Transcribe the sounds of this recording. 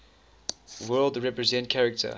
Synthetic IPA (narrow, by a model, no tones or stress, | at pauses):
wɜːlˠdɹɛpɹəzɛ̃ntkʰæɹɪk̚tʰə̰